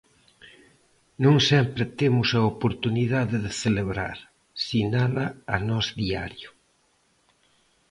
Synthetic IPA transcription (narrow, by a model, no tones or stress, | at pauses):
nõŋsɛmpɾet̪emʊsɐopoɾt̪uniðaðeðeθeleβɾa̰ɾ | sinalɐɐnɔzðia̰ɾjʊ